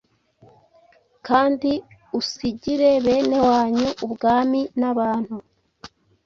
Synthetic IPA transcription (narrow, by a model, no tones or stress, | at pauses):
kaːndiusiɟiɾe̞βe̞ːne̞waːɲuʔubɡaːminaβaːn̥hu